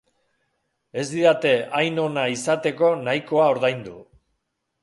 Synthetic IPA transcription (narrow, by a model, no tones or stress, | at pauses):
e̞zd̪iðat̪e̞ajno̞naisat̪e̞ko̞najko̞ao̞ɾðajnd̪u